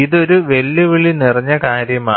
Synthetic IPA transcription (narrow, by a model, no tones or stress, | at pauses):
iðo̞ɾuʋe̞lːɐʋiɭinirɐɲːɐkaːɾjɐma